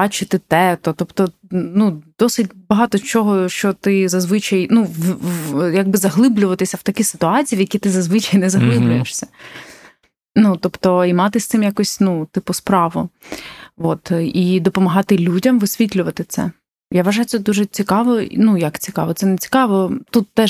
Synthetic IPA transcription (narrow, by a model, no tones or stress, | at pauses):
bɑt͡ʃɪt̪ɪt̪ɛt̪ɔt̪ɔpt̪ɔ | nud̪̥ɔsɪt̚ʲbɐɦɑt̪ɔt͡ʃɔɦɔʃt͡ʃɔt̪ɪzɐzʋɪt͡ʃɐjnuʋjaɡ̚bɪzɐɦlˠɪblʲʊʋɐt̪ɪsʲɐwt̪ɐkʲisɪ̥t̪ʊɑt͡sʲiiʋjɐkʲit̪ɪzɐzʋɪt͡ʃɐjnɛzɐɦlˠɪblʲʊjeʃsʲɐ | nut̪ɔpt̪ɔimɑt̪ɪsʲt̪ɪmjakɔsʲnut̪ɪpʊspɾɑʋʊ̰ | ʋot̪id̪ɔpɔmɐɦɑt̪ɪlʲudʲɐmʋɪsʲʋʲitʲlʲʊʋɐt̪ɪt̪sɛ̰ | jaʋɐʒɑjʊt̪sɛd̪uʒɛt͡sʲikɑʋɔ̰nujɐkt͡sʲikɑ̰ʋɔt̪sɛnet͡sʲi̥kɑʋɔt̪ut̪ːɛ